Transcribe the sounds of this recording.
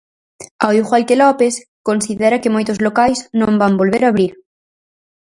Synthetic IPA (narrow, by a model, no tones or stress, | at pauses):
awiɣwalkelɔpes | konsiðɛɾakemojt̪ozlokajsznõmbambolβeɾaβ̞ɾiɾ